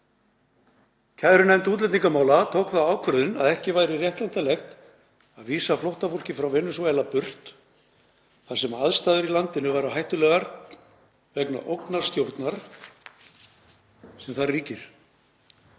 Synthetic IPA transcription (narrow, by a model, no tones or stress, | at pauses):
cʰaðɾʏnɛmt̪uːt̪lɛt̪niŋkamaːwlat̪ʰowkθaaːwkʰvʏðʏna̰ðɛhcɪvaːjɾɪrjɛht̪lɛn̥t̪alɛxt̪ | aðviːsaflowht̪afowl̥cɪfɾawvɪnːʏsɔɛlapʏr̥t̪ | θḁsɛmaðst̪aːðʏɾilant̪ɪnʏvaːɾaɦajht̪ʏlɛːɣaɾ | vɛkna̰ʔowknaɾ̥st̪jowɾt̪naɾ̥ | sɛmθarriːcɪɾ̥